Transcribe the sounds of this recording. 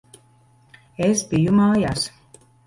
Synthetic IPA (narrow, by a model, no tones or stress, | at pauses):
esbijumaːjas